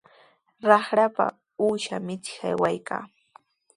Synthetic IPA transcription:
ɾɑχɾapa̰ | uːʃamɪt͡sɪ̥xa̰jwajkʰa̰ː

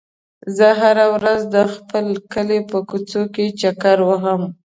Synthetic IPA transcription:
zəɦaɾawɾazd̪əxpəlkəlepəkut͡soket͡ʃakaɾwəɦəm

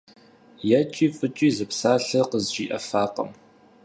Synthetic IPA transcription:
jɛt͡ʃʼiːfʼɨt͡ʃʼiːzɨpsaːɬɐqəzʒiːʔɐ̰faːqɐ̰m

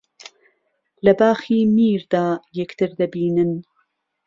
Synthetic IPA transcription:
lɐbaːxiːmiːɾd̪aːjɛkt̪ʰɨɾd̪ɐbiːnɨn

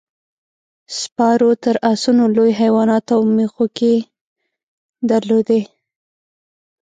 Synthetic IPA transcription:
spɑɾot̪əɾasunolojɦajwɑnɑt̪awmexoke | d̪əɾlod̪e

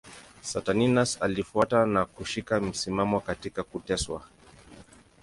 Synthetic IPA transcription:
sataninasalifuatanakuʃikam̩simamɔkatikakutɛswa̰

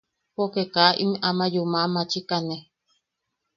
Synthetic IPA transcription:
pokekaʔḭmʔamajumamat͡ʃikane

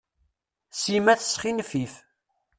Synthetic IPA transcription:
simæθəsχinfif

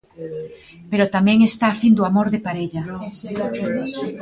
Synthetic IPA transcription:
peɾot̪amɛ̃ŋest̪aːfind̪oamoɾðepaɾeʎɐ

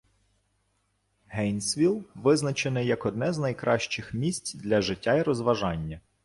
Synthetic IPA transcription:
ɦɛjnsʋʲilˠʋɪznɐt͡ʃenɛjɐkɔd̪nɛznɐjkɾɑʃt͡ʃɪxmʲisʲtʲd̪lʲɐʒɪtʲːaiɾɔzʋɐʒɑnʲːɐ

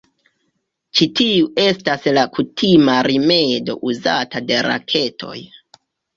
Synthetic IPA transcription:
t͡ʃitiue̞staslakutʰimaɾime̞do̞ʔuzatade̞ɾa̰kʰe̞tʰo̞̰j

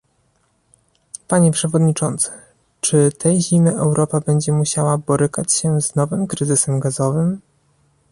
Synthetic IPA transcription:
paɲɛpʂɛvɔd̪ɲit͡ʂɔnt̪sɘ̥ | t͡ʂɘt̪ʰɛjʑimɘʔɛwɾʔɔpabɛɲd͡ʑɛmuɕawabɔɾɘkat͡ɕɕɛznɔvɘmkɾɘzɘsɛmɡazɔvɘm

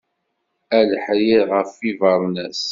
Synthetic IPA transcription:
æləħɾɪðʁəfːivɑɾˤnæs

